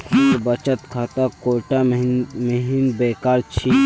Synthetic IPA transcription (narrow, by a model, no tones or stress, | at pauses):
kʰʊsbət͡ʃət̪kʰaːt̪akoʈaməɦinbeːkaːɾt͡ʃʰi